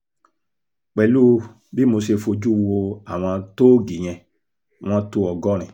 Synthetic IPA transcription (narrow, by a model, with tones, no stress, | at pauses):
k͡pɛ˨lu˦ | bi˦mo˧se˧fo˧d͡ʒu˦˧wo˧a˨w̃ɔ̃˧to˦ɡi˨j̃ɛ̃˧˨ | w̃ɔ̃˧to˧ɔ˧ɡɔ˦ɾ̃ɛ̃˨